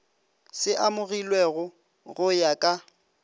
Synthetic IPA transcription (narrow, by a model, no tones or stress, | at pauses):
sɪʔamʊɣilweɣʊ | ɣʊjakʼa